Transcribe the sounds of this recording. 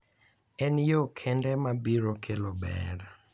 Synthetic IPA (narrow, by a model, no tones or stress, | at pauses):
ɛnjokʰɛndɛmabiɾokʰelobɛ̰r